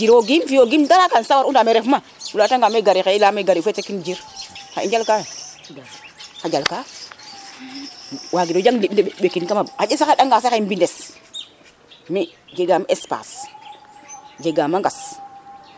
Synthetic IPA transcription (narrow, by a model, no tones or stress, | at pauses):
d͡ʒiɾoɡimfijoɡimdaɾakansawaɾundameɾefmafulataŋɡameɡaɾikelameɡaɾifetekind͡ʒiɾxaiɲd͡ʒalkaj | xad͡ʒalka | waɡidod͡ʒaŋdiɓndeɓekinkamaaesakaɗaŋɡaseaimbindes | miɡeɡamespa̰s | d͡ʒeɡamaŋɡas